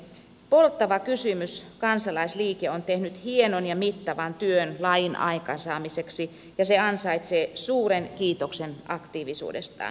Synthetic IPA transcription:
polt̪ːɑʋɑkysymyskɑnsɑlɑisliːkeont̪ehnyt̪hienonjɑmit̪ːɑʋɑnt̪yønlɑjinʔɑ̰ikɑnsɑːmiseksi | jɑseɑnsɑit̪seːsuːɾenkiːt̪oksenʔɑkt̪iːʋisṵːdḛst̪ɑ̰ːn

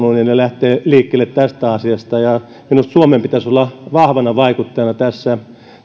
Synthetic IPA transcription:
nuninnelæht̪eːliːkːelːet̪t̪æst̪æɑsiɑst̪ɑjɑ | minust̪suomempit̪æsolːɑʋɑhʋɑnɑʋɑikut̪ːɑjɑnɑt̪æsːæ

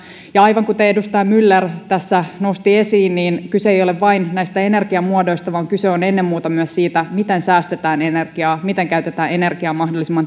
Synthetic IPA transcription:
jɑɑjʋɑŋkut̪eedust̪ɑjɑmylːert̪æsːænost̪ie̞siːnniːnkyseejo̞leʋʋɑinnæist̪æe̞ne̞rɡiɑmuodo̞ist̪ɑʋɑːŋkyseonenːemːuːt̪ɑmyæssiːt̪æmit̪ensæːst̪et̪æːne̞nerɡ̥iɑːmit̪eŋkæyt̪et̪æːne̞ne̞rɡ̥iɑːmɑhdolːisimːɑn

